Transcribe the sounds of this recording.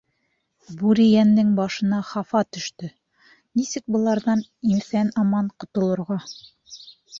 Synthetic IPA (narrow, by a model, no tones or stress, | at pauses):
buɾijænːɘŋbɑʃɤ̆nɑχɑfɑt̪ɵ̆ʃt̪ɵ | nisɘk̚bɤ̆lˠɑɾðɑnimsænɑmɑɴqŏt̪ŏlˠɤ̆ɾʁɑ